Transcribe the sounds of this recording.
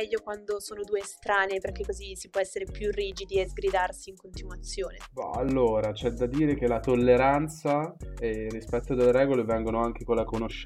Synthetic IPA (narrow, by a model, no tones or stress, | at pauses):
mɛʎːokwand̪osoːnod̪uːest̪ɾaːneperkekːozisipwɔɛsːeɾepjurːiːd͡ʒid̪iezɡɾid̪arsiːŋkont̪inwat̪sːjoːnema̰a̰lːoːɾat͡ʃɛd̪ad̪iːɾek̟elat̪olːeɾant̪saerːispɛt̪ːod̪elːeɾɛːɡolevɛŋɡonoaŋk̟ekolːakonoʃː